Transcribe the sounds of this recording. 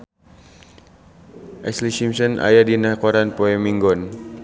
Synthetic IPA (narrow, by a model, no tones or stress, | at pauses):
ʔɛslisimsɔna̰jadinakɔɾanpɔɛmiŋɡɔn